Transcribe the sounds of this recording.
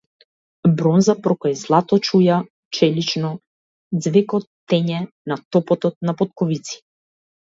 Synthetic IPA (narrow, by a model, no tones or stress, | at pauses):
bɾɔnzapɾɔkajzlˠat̪ɔt͡ʃuja | t͡ʃɛlit͡ʃnɔ | d̪zvɛkɔt̪ːɛɲɛ | nat̪ɔpɔt̪ɔt̪̚napɔt̪̚kɔvit̪si̥